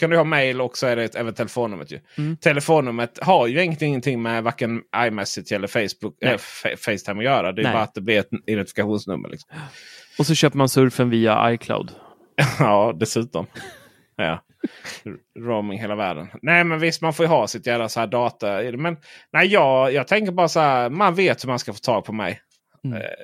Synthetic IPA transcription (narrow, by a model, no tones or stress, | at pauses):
kʰand̪ɵhɑːmejlɔksɔæɖɛɛːvənt̪ʰɛlɛfoːnːɵmːət̪ʰjɵ̰t̪ʰɛlɛfoːnːɵmːət̪haɾjɵɪŋːənt̪ɪŋːənt̪ʰɪŋːmɛvaɾkənʔajmɛsɪt̪ʰɛlːəfɛɪsbʊkɛfɛfɛɪst̪ʰaɪmɔjœːɾad̪ɛːjɑːɾat̪̚d̪ɛblɪɾɛt̪ɪd̪ɛnt̪ɪfɪkaɧuːnsnɵ̰mːə̰ɾlʔɪksɔmmɔsɔɕøːpəɾmansɵɾfənviːa̰a̰jkʰla̰ʊd̪ | ɑːd̪ɛsʉ̟ːt̪ɔm | jɑ̰ː | ɾoʊmɪŋɦeːlavæ̰ːɖə̰nnɛɪmɛnvɪst̪manfoːɾjɵɦɑːsɪt̪jæːvasahæːd̪ɑːt̪aɪd̪ɛmɛnnæːɪjɑːɡjɑːɡt̪ʰɛŋkəɾbɑːɾasahæːɾmanveːt̪hɵmanskafoːt̪ʰɑːɡ̚pʰɔmɛ̰j